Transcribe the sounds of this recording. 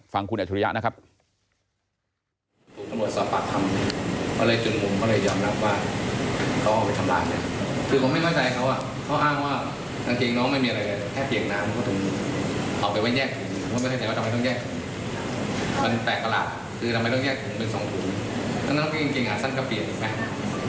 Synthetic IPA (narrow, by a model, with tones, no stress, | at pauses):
fa˧ŋkʰu˧nʔa˨t͡ɕʰu˧ɾi˦ja̰˦˥na˦˥kʰa˦˥p̚ | t̪ʰuː˨˩kt̪a˧mɾu˨˩əsɔː˨˩p̚pa̰˨˩k̪̚ʰa˧mkʰɔː˥˩lɤː˧jt͡ɕu˨˧˩nmu˧mkʰɔ˥˩lɤː˧jɔː˧mɾa˦˥p̚waː˥˩ | kʰa˦˥wʔaː˥˩pa˧jt̪ʰa˧mla̰ː˧jna˦˥˩kʰɯː˧pʰo˨˧˦ma˥˩jkʰɔ˥˩jt͡ɕa˧jkʰa˥wa˧˥˩ | kʰa˦˥wʔaː˥˩ŋwaː˥˩ | t̪ʰa˧ŋkeː˧ŋnɔː˦˥˩ŋma˥˩jmiː˧a˧ɾa˧jlaː˧˩˧kʰɛː˥˩pʰːi˨˩naː˦˥mʰ˧ɔː˥˩t̪ʰɯ˩˦ŋ | ʔaː˨˩wpa˧jwa˥˩jɲɛː˥˩k̚t̪ʰɯ˨˩˦ŋʰ˧˩u˨˩ma˥˩mʰ˥˩˧t͡ɕa˧jwa˥˩t̪ʰːm˧jt̪ɔ˥ŋjɛː˥˩k̚t̪ʰɯ˩˦ | pe˧npɛː˨˩k̚ːa˧la̰ː˨˩t̪̚ | kʰɯː˧t̪ʰa˧mːa˧jt̪ɔ˥˩ŋjɛː˥˩k̚t̪ʰɯ˨˩˦ŋpe˧nsɔ̰ː˨˦ŋkʰu˨˩˦nʰa˧naː˦˥ŋkʰːe˧ŋke˧ŋʔaː˨˩sa˥˩nkʰa˧˩pʰi˨˩ək̚ʔiː˨˩ma˦˥